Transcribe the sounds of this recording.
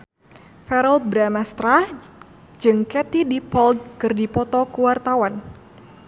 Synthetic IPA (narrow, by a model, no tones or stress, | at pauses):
fɛɾɔlbɾamast̪ɾah | d͡ʒɨŋkɛt̪idipɔld̪̚kɨrdipɔt̪ɔkuwart̪awan